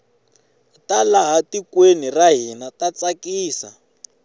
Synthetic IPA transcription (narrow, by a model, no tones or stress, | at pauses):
talaɦatikweniraɦinatat͡sakiːsa̰